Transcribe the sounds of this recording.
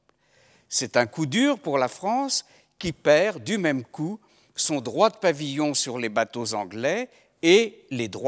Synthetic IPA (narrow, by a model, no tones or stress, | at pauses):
sɛt̪ɛ̃kud̪yːʁpuʁlafχɑ̃s | kʲipɛʁd̪ymɛmku | sɔ̃d̪ʁwad̪əpavijɔ̃syʁlebat̪ozɑ̃ɡlɛ | eled̪ʁwa